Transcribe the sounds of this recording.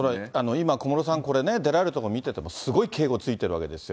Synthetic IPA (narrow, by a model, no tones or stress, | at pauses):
oɾaano̞imako̞mo̞ɾo̞sãŋko̞ɾe̞ne̞d̪e̞ɾaeɾɯ̟t̪okomʲit̪e̞t̪e̞mo̞sɨɡo̞ikʰe̞ːɡo̞t͡sɨit̪e̞ɾɯ̟a̰ke̞d̪e̞sɨjo